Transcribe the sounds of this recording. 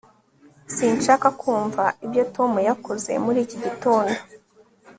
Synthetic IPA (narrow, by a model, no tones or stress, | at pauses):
siːnʃakakʰuːɱvaibjo̞to̞mujakoze̞̰muɾiːciɟitoːndo